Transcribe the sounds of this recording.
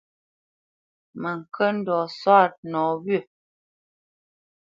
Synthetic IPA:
mə˨ŋ̩˨kʰə˦n̩˦dɔ˨swa˦˨t̚nɔ˨˦wɥə˦˨

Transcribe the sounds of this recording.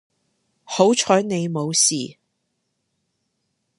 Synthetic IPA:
ho˨˥wt͡ʃʰɔː˨˥jne˨˧jmo˨˧wsiː˨

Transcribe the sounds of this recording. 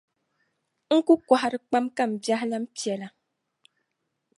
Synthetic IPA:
ŋ̩˦ku˦kwa˨ha˨ɾɨ˨k͡pa˦mka˦˨m̩˨bja˦hla˦m̩˦pjɛ˨la˨

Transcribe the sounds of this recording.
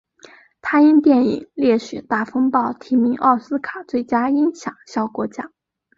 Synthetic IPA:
t̪ʰa˥i˥nt̪jɛ˥˩nḭ˨˩ŋljɛ˥˩ɕy˨˩t̪a˥˩fɤ˥ŋpɑ˥˩ʊt̪ʰi˧˥mi˧˥ŋʔɑ˥˩ʊsɹ̩˥kʰa˨˩˦t͡swe˥˩ɪt͡ɕja˥i˥ŋɕjɑ˨˩˦ŋɕjɑ˥˩ʊkwɔ˧˥t͡ɕja˥

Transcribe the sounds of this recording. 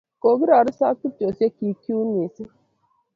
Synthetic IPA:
ko˨ɡi˦ɾa˨ɾʊ˦sa˦tu˦to˨se˦ki˨ki˦u˦ni˨si˦

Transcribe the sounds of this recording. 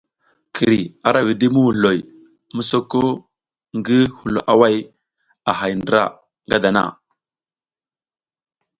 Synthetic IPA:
kʰi˨ɾi˨a˨ɾa˨wi˨di˦mu˦wu˨lo˨j | mu˦so˦ko˦ | ŋɡi˦hu˨lo˨ʔa˦wa˦˨j | a˨ɦa˨jndɾa̰˦˨ | ŋɡa˦da˨na̰˦˨

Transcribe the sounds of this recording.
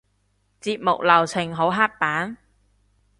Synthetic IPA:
t͡siː˧p̚mʊ̰˨k̚lɐ˨˩wt͡sʰɪ˨˩ŋɦo˨˥wɦaː˥t̚paː˨˥n

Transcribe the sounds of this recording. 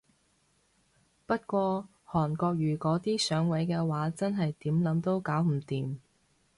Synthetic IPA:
pɐ˥t̚kʷɔː˧ | hɔː˨˩nkɔː˧k̚ɥyː˨˩kɔː˨˥t̪iː˥sœː˨˥ŋwɐ˨˥jkɛː˧waː˨˥t͡sɐ˥nɦɐ˨jt̪iː˨˥mlɐ˨˥mt̪o˧˥wkaː˨˥wm̩˨˩t̪iː˨m

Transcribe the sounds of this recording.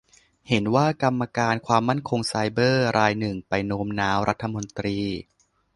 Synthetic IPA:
he˩˦nwaː˥˩ka˧mːa˧kaː˧nkʰwaː˧mːa˥˩nkʰo˧ŋsa˧jbɤː˥˩ɾʔaː˧jnɯ˨˩ŋpa˧jnoː˦˥mnaː˦˥mɾa˦˥t̪ʰːa˧mo˧nt̪ɾiː˧

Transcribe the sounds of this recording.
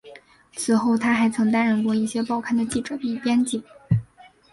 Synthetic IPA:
t͡sʰɹ̩˨˩xo˥˩ʊt̪ʰa˥xa˧˥ɪt͡sʰɤ˧˥ŋt̪a˥nɻə˥˧nkwɔ˥˧i˥˩ɕjɛ˥pɑ˥˧ʊkʰa˥˩nd̪ə˨t͡ɕi˥˩ʈ͡ʂɤ˨˩pi˥˩pjɛ˥nt͡ɕi˥˩˦ŋ

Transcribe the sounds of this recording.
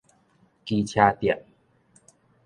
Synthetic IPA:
ki˧t͡ɕʰjaː˧t̪i˨˩ə˨ʔ̚

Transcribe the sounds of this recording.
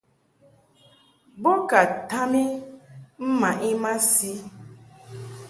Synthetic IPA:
bo˦ka˨ta˦mi˦m̩˦ma˨ʔi˦ma˦si˦

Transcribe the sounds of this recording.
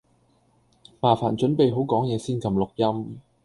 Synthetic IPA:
maː˨˩faː˨˩nt͡ʃɵ˨˥npe˨jɦo˨˥wkɔː˨˥ŋjɛː˨˧siː˥nkɐ˨˧mlʊ˨k̚jɐ˥m

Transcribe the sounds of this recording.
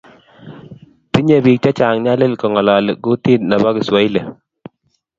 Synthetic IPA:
pi˦ɲe˨bi˨k̚t͡ʃa˦t͡ʃa˨ŋɲa˦le˦lkɔ˨ŋɔ˨la˨lɡu˦ti˦t̚na˨ba˦kɪ˨swa˨i˦le˨

